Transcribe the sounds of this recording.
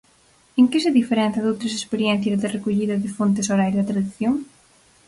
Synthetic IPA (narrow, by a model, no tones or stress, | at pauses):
eŋkɪs̬ɪðifeɾɛ̃n̟θɐðowt̪ɾɐsespeɾjɛn̟θjɐzðɪrekoʎiðɐðɪfont̪ɪsoɾajðɐt̪ɾaðiθjoŋ